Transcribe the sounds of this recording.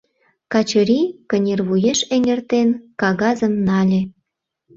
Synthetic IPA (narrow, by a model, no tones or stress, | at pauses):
kɑt͡ɕə̆ɾʲikə̆nʲerβujeʃeŋĕrt̪enkɑɣɑzəmnɑlʲĕ